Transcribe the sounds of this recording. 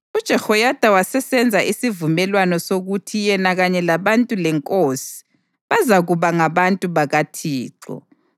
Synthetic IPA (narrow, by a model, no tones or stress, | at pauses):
ud̥ʒ̥ʱɛxɔjad̥ʱawasɛsɛnd͡zʱaʔisivumɛlwanɔsoɣutʰijɛnaɣaɲɛlaβantʼulɛŋkʼosi̥ | βazaɣuβaŋaβantʼuβaɣatʰiːǃɔ̰